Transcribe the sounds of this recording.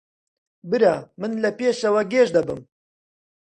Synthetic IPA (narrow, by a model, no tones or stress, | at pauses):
bɨɾamɨnlɐpeːʃɐwɐɡeːʒd̪ɐbɨm